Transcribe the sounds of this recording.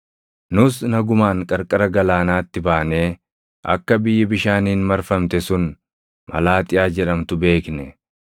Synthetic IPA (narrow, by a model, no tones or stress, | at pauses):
nʊsnɐɡʊmaːŋkʼɐɾkʼɐɾɐɡɐlaːnaːt̪ːɪbaːneː | ʔɐ̰kːɐbɪjːɪbɪʃaːniːnmɐɾfɐmt̪ɛsʊn | mɐ̰laːt̪ʼɪjaːd͡ʒɛᶑɐmt̪ʊbe̞ːknɛ